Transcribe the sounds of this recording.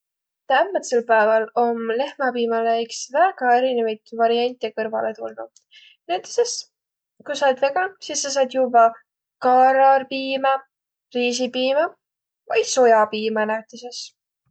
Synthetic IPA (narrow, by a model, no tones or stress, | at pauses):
t̪æmːɑt̪selpæevɑlo̞mle̞hmɑpiːmɑleksvæɡ̥ɑe̞ɾinevɑjd̪̥vɑɾiɑnʲt̪ʲːˑekɤɾvɑ̰let̪ulnṵ | næt̪ːˑe̥se̞s | kujsɑːd̪ve̞ɡɑsisːɑs̬ɑːd̪̥jubɑ | kɑɾɑrpiːmɑ | riːs̬ipiːmɑ | vɑj̪̥so̞jɑpiːmɑnæt̪ˑese̞s